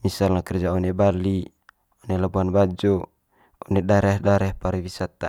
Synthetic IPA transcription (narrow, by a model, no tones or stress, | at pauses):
misalnakɛrd͡ʒaonebalːi | onelabuanbad͡ʒo | ɔnedaɾɛhdaɾɛhpaɾiwisat̪ːa̰